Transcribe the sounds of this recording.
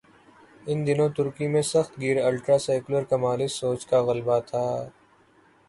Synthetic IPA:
ɪnd̪ɪnõt̪ʊɾkimẽsɐxt̪ɡiːɾɐlʈɾaːsaːkləɾkɐmaːlɪsoːt͡ʃkaɣɐlbat̪ʰaː

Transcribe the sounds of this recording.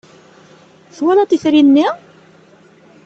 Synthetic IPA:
θwælat̪iθɾinːi

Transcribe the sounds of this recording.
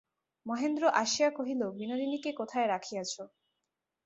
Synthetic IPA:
mɔɦend̪ɾoʔaʃijakoɦilobinoɾinikekot̪ʰaeɾakʰijat͡ɕʰo

